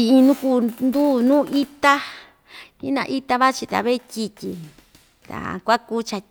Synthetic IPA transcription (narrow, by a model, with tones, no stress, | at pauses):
i˧ĩ˧nũ˦ku˧˦nd̪uː˦nũː˦ʔi˦t̪a˦ | ĩ˦nã̰˧ʔi˦t̪a˧βa˦t͡ʃi˧t̪a̰˨βe˦tʲi˧tʲi˧ | t̪a̰˨kʷa˦ku˦t͡ʃa˧